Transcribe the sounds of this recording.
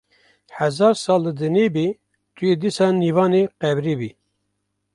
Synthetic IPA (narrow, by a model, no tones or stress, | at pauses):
hɛzɑːɾsɑːlːəd̪ɨneːbi | t̪ʰujeːd̪isɑːniːvɑːneːqɛbɾiːbiː